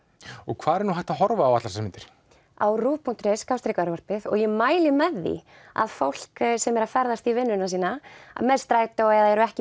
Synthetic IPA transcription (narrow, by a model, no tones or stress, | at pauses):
ɔɣkʰv̥aːðɛɾɛɾnuɦajht̪aɦɔɾvaːwat̪laɾsɛmɪnt̪ɪɾ̥ | a̰wruːpʰun̥t̪ɾɛskawst̪ɾekœɾvar̥pɪðɔ̰ɣjɛmaːjlɪmɛðːḭ | a̰ðfowl̥ksɛmɛɾafɛɾðast̪ivɪnːʏnasiːnaa̰mɛðst̪ɾaːjt̪aɛðaðɛɾʏɛhcɪ